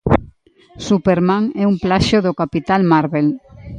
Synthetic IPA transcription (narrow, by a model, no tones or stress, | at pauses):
supeɾmaŋɛumplaʃoðokapit̪almaɾβel